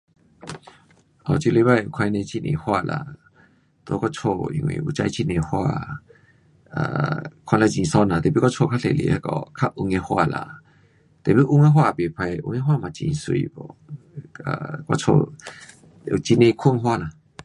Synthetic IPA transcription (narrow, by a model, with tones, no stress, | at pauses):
ʔɔ˧˨t͡ɕi˧le˧˦ba˧˨ju˨kʰa˧jnẽ˧t͡ɕi˧nʔḛ̃˧˨hwa˧˨lʔa̰˧˨ | t̪o˧˦kɔ˦t͡sʰo˧ḭ̃˧˨ŋwḭ̃˨ʔu˧t͡ɕa˧˦jt͡ɕi˧nẽ˧hwa˧˨ | a̰˧˨kʰã˧la˧˦t͡ɕĩ˨sɔ˧˦nã˨t̪ɛ˨˩pi˧˦kɔ˦t͡ʃʰo˧˨kʰa˦˥ɬʰe˧˨lḛ˨ha˧˦kɔ̰˧kʰa˦ʔu˧ŋɛ˧hwa̰˧˨la̰˧˨ | t̪ɛ˨pi˧˦ʔu˧ŋa˦ɦwa˦˧˨be˨pʰa˧jʔṵ˧ŋɛ̃˧˦ɦwa˧˨mã˨t͡ɕḭ̃˧˨swi˧bɔ̰˧˨ | a̰˨kɔ˦t͡sʰo̰˧ | u˧t͡ɕi˧nẽ˧kʰu˥˧˨ŋɦwa˧˨la˨